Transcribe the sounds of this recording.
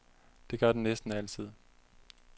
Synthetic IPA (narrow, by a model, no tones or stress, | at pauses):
d̥e̝ɡ̥ɶɐd̥enesd̥n̩æl̰t͡sʰið̞̰ˠ